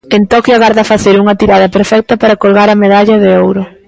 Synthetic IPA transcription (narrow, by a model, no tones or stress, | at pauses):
ent̪okjoaɣaɾðɐfaθeɾuŋɐt̪iɾaðɐpeɾfɛk̚t̪ɐpaɾɐkolɣaɾɐmeðaʎɐðɪowɾʊ